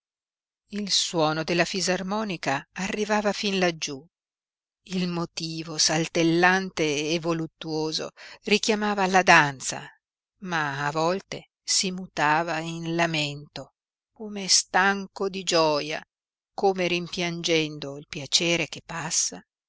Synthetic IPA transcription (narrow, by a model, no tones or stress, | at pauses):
ilswɔːnod̪elːafizarmɔːnikaːrːivaːvafinlad͡ʒu | ilmot̪iːvosalt̪elːant̪eːvolut̪ːuoːzo̰rikjamaːvalad̪ant̪sa̰ | maːvɔlt̪e | simut̪aːvainlament̪o | koːmest̪aŋkod̪id͡ʒɔːja̰ | koːmeɾimpjand͡ʒɛnd̪oilpjat͡ʃeːɾek̟epːasːa